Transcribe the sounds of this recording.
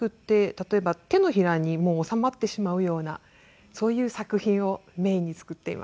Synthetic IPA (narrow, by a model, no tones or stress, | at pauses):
ɯ̟t̪ːe̞t̪at̪o̞e̞bat̪e̞no̞çiɾaɲ̟imo̞ːsamat̪ːe̞ɕimaɯ̟jo̞ːna | so̞ːjɯ̟ːsakɯ̟çĩɰ̃o̞me̞ːiɲ̟ːit͡sɨ̥kɯ̟t̪ːe̞ḭmʔa̰